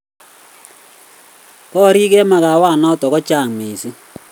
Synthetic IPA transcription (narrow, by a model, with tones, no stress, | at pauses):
kɔ˦ɾi˦kɛ˦ma˨ka˨wa˦˨nɔ˦tɔ˨kɔ˦t͡ʃa˦˨ŋme˨i˨si˦